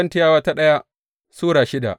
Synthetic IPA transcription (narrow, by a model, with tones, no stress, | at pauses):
ɐ˦ntɪ˦jaː˦waː˦ta˦ɗɐ˦ja˦ | suː˦ɽaː˨ʃɪ˦da̰˨ʔ